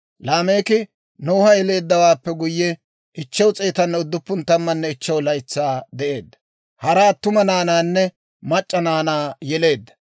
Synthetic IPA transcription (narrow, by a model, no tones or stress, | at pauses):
laːme̞ːkɪ | noːhɐjɛle̞ːd̪ːɐwaːpːɛɡʊjːɛ | ʔɪt͡ʃːɐwt͡sʼeːt̪ɐnːɛʊd̪ːʊpːʊnt̪ɐmːɐnːɛɪt͡ʃːɛwlɐɪt͡sːaːd̪ɛʔe̞ːd̪ːɐ̥ | hɐɾaːt̪ʊmɐnaːnaːnːɛ | mɐt͡ʃʼːɐnaːnaːjɛle̞ːd̪ːɐ̥